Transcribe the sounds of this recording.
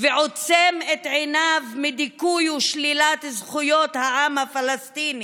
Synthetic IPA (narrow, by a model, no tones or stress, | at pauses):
veʕot͡semet̪ʕenavmid̪ikujuʃlilat̪zχujot̪haʔamhafalast̪ini